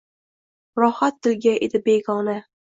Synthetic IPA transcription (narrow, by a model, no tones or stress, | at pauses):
ɾɒhat̪̚ːɪlɡʲaʔed̪ɪbeɡɒna